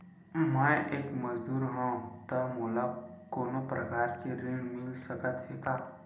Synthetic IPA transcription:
mə̃ʔeːkməd͡ʒd̪uːɾɦãt̪əmoːlakoːnopɾəkaːɾkeɾeɽmɪlsəkət̪ɦekaː

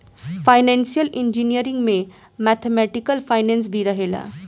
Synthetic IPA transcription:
pʰajnensijəlind͡ʒinijəɾiŋɡme | mat̪ʰemɛʈikəlpʰajnens̬bʱiɾʌɦela̰

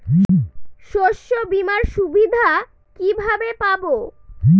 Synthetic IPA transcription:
ʃoʃːobimaɾʃubid̪ʱa | kibʱabepabo

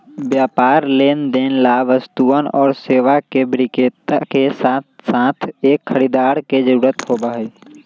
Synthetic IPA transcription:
bjaːpaːɾleːnd̪eːnlaʋəst̪uənɔːɾseːʋakebɾɪkeːt̪akesasãːt̪ʰeːkʰːəɾiːd̪aːɾked͡ʒəɾuːɾət̪hoːbaɦɛː

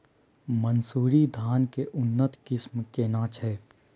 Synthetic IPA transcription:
mənsuːɾid̪ʱaːnkeʔʊnːət̪kɪsmkenãːt͡ʃɦɛː

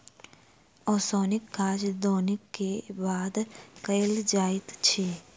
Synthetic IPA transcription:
ɔːsɔːnɪkɡaːʃd̪ɔːnɪkːebaːd̪kəjld͡ʒaːɪt̪t͡ʃʰeː

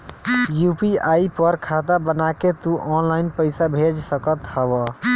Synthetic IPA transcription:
jupiaipəɾkʰad̪abənaket̪uʔɔnlainpəɪsabʱed͡ʒsəkət̪həbə

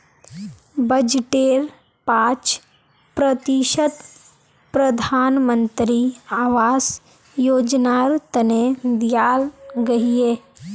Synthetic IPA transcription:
bəd͡ʒʈeːɾ | paːt͡ʃ | pɾət̪iʃət̪ | pɾəd̪ʱaːnmə̃nt̪ɾiaːʋaːs | joːd͡ʒnaɾt̪əned̪ɪjaːlɡɐɦieː

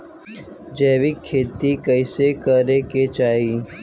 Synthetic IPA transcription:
d͡ʒeːʋɪkʰːeːt̪ikəɪsekəɾeket͡ʃaːɦi

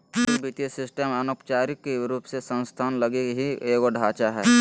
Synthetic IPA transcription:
obit̪iəsɪsʈəmənokt͡ʃaːɾɪkːeɾuːpsesə̃nst̪ʰaːnləɡekɦieːɡoɖʱaːt͡ʃaɦɛː

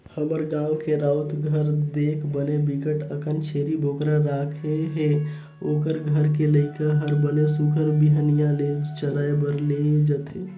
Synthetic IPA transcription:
həməɾɡãːukeɾaʊt̪ɡʱəɾd̪eːkʰbənebikəʈəkənt͡ʃʰeɾibʱokɾaɾakʰeɦe | oːkəɾɡʱəɾkeləɪkaɦəɾbənesukʰəɾbiɦənijãled͡ʒt͡ʃəɾaːebəɾled͡ʒət̪e

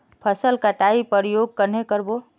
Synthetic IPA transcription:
pʰəsəlkaʈaipəɾjoːɡ̚kəɾnekəɾbo

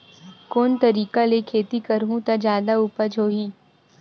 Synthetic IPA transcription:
koːnt̪ɐɾiːkalekʰeːt̪ikəɾɦũt̪ad͡ʒjaːd̪auːpəd͡ʒʱoːɦiː

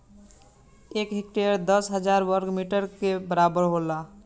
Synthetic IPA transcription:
ekɦik̚ʈeəɾd̪əsɦəd͡ʒaɾwəɾkmiʈəɾkebəɾabəɾɦola

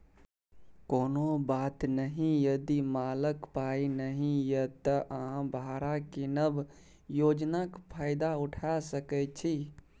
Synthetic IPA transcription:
koːnobaːt̪nəɦĩjəd̪imaləkpainəɦĩjət̪əʔɦãbʱaɾakinəb | joːd͡ʒnakpʰaːɪd̪aʊʈʰasəkɛt͡ʃʰi

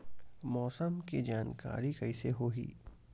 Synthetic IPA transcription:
mɔːsəmkid͡ʒaːnka̰ːɾikɐɪseɦoːɦḭː

